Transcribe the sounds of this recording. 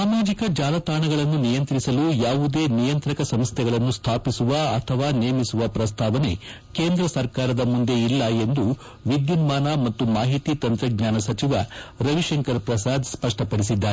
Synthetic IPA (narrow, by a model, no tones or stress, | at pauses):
saːmaːd͡ʒikɐd͡ʒaːlɐt̪aːɳɐɡɐɭɐnːunijɐnt̪ɾisɐlujaːʋud̪eːnijɐnt̪ɾɐkɐsɐmst̪ʰɛɡɐɭɐnːust̪ʰaːpisuʋɐɐt̪ʰɐʋaːneːmisuʋɐpɾɐst̪ʰaːʋɐne̞̰ | keːnd̪ɾɐsɐɾkaːɾɐd̪ɐmund̪e̞ilːɐe̞nd̪u | ʋid̪junmaːnɐmɐt̪ːumaːɦit̪iːt̪ɐnt̪ɾɐɡɲaːnɐsɐt͡ʃiʋɐɾɐʋiʂɐŋkɐɾpɾɐsaːd̪spɐʂʈɐpɐɽis̬id̪ːaːɾe